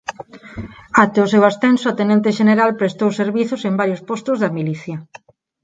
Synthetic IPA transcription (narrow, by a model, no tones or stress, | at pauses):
at̪eʊsewast̪ensʊat̪enẽnt̪eʃeneɾalpɾest̪owseɾβiθʊsembaɾjʊspɔst̪ʊzðɐmiliθjɐ